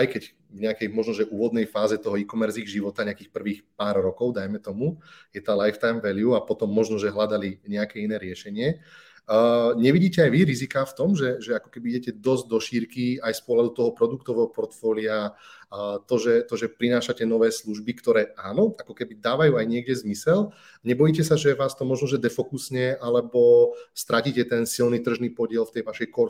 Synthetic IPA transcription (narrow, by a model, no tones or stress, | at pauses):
ajkɛɟ | vɲɛakɛjmɔʒnɔʒɛʔuːʋɔd̪nɛjfaːzɛt̪ɔɦɔikɔmɛɾziːɣʒiʋɔt̪aɲɛakiːxpr̩ʋiːxpaːɾɾɔkɔʊd̪ajmɛt̪ɔmujɛt̪aːlajft̪ajmʋɛliuapɔt̪ɔmːɔʒnɔʒɛɦlad̪aliɲɛakɛinɛːɾɪɛʃɛɲɪɛ | ɲɛʋiɟiːcɛajʋiɾizikaft̪ɔmʒɛʒɛakɔ̥kɛbiiɟɛcɛd̪ɔzɟ̚d̪ɔʃiɾkiajspʊɔɦlad̪ut̪ɔɦɔpɾɔd̪ukt̪ɔʋɛɦɔpɔɾt̪fɔːlia | t̪ɔʒɛt̪ɔʒɛpɾinaːʃacɛnɔʋɛːsluʒbikt̪ɔɾɛːaːnɔakɔkɛbid̪aːʋajuːajɲɪɛɡɟɛzmisɛl | ɲɛbɔjiːcɛsaʒɛʋaːst̪ɔmɔʒnɔʒɛd̪ɛfɔkusɲɛʔalɛbɔst̪ɾʔaciːcɛt̪ɛnsilnit̪r̩ʒniːpɔɟɪɛlft̪ɛjʋaʃɛjkɔ